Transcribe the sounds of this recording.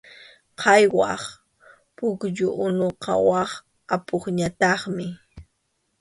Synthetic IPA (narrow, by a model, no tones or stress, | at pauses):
qʰɑjwɑ̰χ | pʊkʎʊʔʊnoqʰɑ̰wɑχ | apoχɲat̪ɑχmɪ